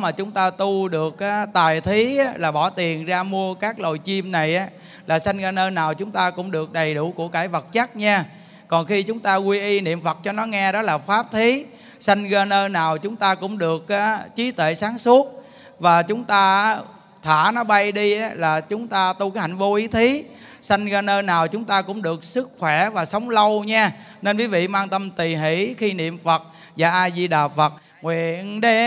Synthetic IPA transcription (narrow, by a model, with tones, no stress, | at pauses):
maː˨˩t͡ɕʊ˨˦ŋ͡mt̪aː˧t̪u˧ɗɨ˨˩ək̚ʔaː˦t̪aː˨˩jt̪ʰi˨˦ʔa˨˦laː˨˩ɓɔ˧˩t̪i˨˩ənzaː˧mu˧əkaː˦˥k̚lo˨˩jt͡ɕi˧mna˨˩jʔaː˨˦ | laː˨˩sa˧jŋ̟ɣaː˧nəː˧naː˨˩wt͡ɕʊ˨˦ŋ͡mt̪aː˧kʊ̰˧˥ŋ͡mɗɨ˨˩ək̚ɗə˨˩jɗʊ˧˩ku˧˩əkaː˧˩jvə˨˩t̚t͡ɕa˦˥t̚ɲaː˧ | kɔ˨˩nxi˧t͡ɕʊ˨˦ŋ͡mt̪aː˧ɣwi˧ʔi˧nḭ˧˨əmfə˨˩t̚t͡ɕɔ˧nɔ˨˦ŋɛ˧ɗɔ˨˦laː˨˩faː˦˥p̚t̪ʰi˨˦ | sa˧jŋ̟ɣaː˧nəː˧naː˨˩wt͡ɕʊ˨˦ŋ͡mt̪aː˧kʊ̰˧˥ŋ͡mɗɨ˨˩ək̚ʔaː˨˦t͡ɕi˨˦t̪wḛ˧˨saː˨˦ŋsu˦˥ət̚ | vaː˨˩t͡ɕʊ˨˦ŋ͡mt̪aː˧˦ | t̪ʰa̰ː˧˩nɔ˨˦ɓa˧jɗi˧˨˦laː˨˩t͡ɕʊ˨˦ŋ͡mt̪aː˧t̪u˧kaː˨˦jha̰˨˧˩jŋ̟vo˧ʔi˨˦t̪ʰi˨˦ | sa˧jŋɣaː˧nəː˧naː˨˩wt͡ɕʊ˨˦ŋ͡mt̪aː˧kʊ̰˧˥ŋ͡mɗɨ˨˩ək̚sɨ˦˥k̚xwɛ˧˩vaː˨˩sə˨˦wŋ͡mlə˧wɲaː˧ | ne˧nvi˨˦vḭ˧˨maː˧ŋt̪ə˧mt̪i˨˩ɦḭ˧˩˥xi˧nḭ˧˨əmfə˨˩t̚ | zaː˨˩ʔaː˧zi˧ɗaː˨˩fə˨˩t̚ | ŋwḭ˧˨əənɗe˨˦